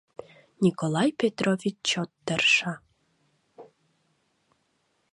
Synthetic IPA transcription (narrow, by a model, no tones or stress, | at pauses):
nʲikolˠɑjpet̪rovʲit͡ɕt͡ɕot̪ːərʃɑ